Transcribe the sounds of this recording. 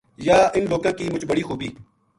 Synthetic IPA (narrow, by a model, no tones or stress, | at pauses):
jaːɪnloːkãːkiːmʊt͡ʃbəɽiːxuːbiː